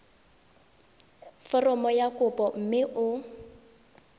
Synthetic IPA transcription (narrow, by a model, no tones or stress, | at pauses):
fɔrɔmɔjakʊpʼɔm̩mɪʔʊ